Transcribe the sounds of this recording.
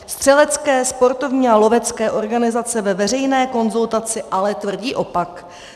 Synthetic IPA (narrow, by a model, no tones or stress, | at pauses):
st̪r̥ɛlɛt͡skɛːspo̞ɾt̪o̞vɲiːalo̞vɛt͡skɛːʔo̞ɾɡanɪzat͡sɛvɛvɛr̝ɛjnɛːko̞nzult̪at͡sɪʔalɛt̪vr̩ɟiːʔo̞pak